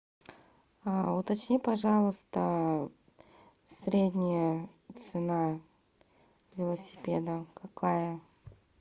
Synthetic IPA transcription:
aʊt̪ɐt͡ɕnʲipɐʐɑlˠʊst̪ə | sɾʲedʲnʲɪjət̪sɨna | vʲɪlˠəsʲɪ̥pʲed̪əkɐkʰajə

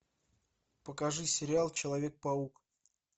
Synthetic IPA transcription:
pəkɐʐɨsʲɪɾʲɪalˠt͡ɕɪlˠɐvʲe̞k̚pɐuk

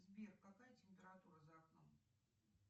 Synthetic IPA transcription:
zbʲerkkːakajət͡sʲɪmʲpʲɪɾat̪uɾəzakno̰m

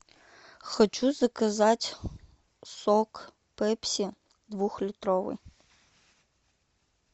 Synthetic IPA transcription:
xɔt͡ʃuzɐkɐzatʲ | sɔk | pɛpʲsʲi | d̪ʋuxlʲit̪ɾɔʋɨ̰j

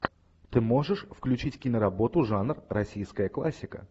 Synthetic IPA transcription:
t̪ɨmo̞ʐɨʂfklʲʉt͡ɕitʲkʲɪnəɾɐbo̞t̪ʊʐanrrɐsʲijskəjəklˠasʲːɪkə̰

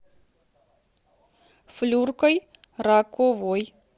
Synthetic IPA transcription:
flurkɔj | ɾakovoj

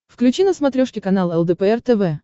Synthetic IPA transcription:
fklʲʉt͡ɕinəsmɐt̪ɾʲoʂkʲɪkɐnalˠɛlˠd̪ɛpəɛrt̪ɛvɛ

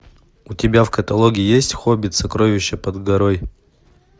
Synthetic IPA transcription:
utʲɪbʲafkɐt̪ɐlˠoɡʲɪɪjesʲtʲxobʲɪt̪sɐkɾovʲɪɕːəpɐd̪ɡɐɾoj

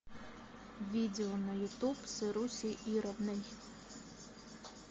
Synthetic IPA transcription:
ʋʲid̪ʲeɔnɐjʊt̪upsɪɾusʲiʔiɾɐbnɪj

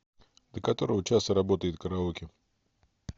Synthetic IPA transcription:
d̪̥əkɐt̪o̞ɾəvət͡ɕast̪əɾɐbo̞t̪əjɪt̪̚kəɾɐokʲɪ

